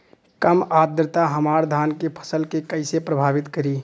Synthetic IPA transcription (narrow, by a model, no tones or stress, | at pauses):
kəmad̪ɾt̪aɦəmaɾd̪ʱankepʰə̥səlkekəɪsepɾəbʱaːbit̪kəɾi